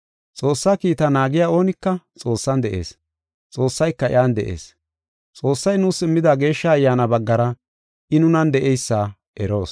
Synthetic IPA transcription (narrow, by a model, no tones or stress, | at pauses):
t͡sʼo̞ːsːaːkiːt̪ɐnaːɡɪjaːo̞ːnɪkːɐt͡sʼo̞ːsːɐnd̪ɛʔe̞̰ːs | t͡sʼo̞ːsːɐjkːɐɪ̰jaːnd̪ɛ̰ʔe̞̰ːs | t͡sʼo̞ːsːɐjnuːsɪmːɪd̪aːɡe̞ːʃːɐːjːaːnɐbɐɡːɐɾɐ | ʔɪnʊnɐnd̪ɛʔɛjsːaː | ʔɛɾo̞ːs